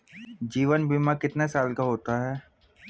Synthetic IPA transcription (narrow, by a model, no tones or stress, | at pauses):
d͡ʒiːʋənbiːmãkɪt̪nesaːlkaɦoːt̪aɦɛː